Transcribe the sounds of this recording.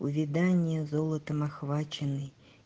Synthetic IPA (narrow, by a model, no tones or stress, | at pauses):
uvʲid̪anʲjɛzɔlˠɐt̪ɐmaxvat͡ʃɛnɨ